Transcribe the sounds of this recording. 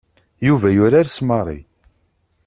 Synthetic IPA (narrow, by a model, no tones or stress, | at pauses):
juvæjʊɾaɾsmərˤḭ